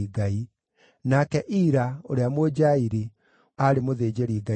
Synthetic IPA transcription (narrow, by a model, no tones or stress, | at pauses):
iɡai | nakɛʔiɾaoɾeamod͡ʑaiɾi | aɾemoðeːd͡ʑeɾiɡa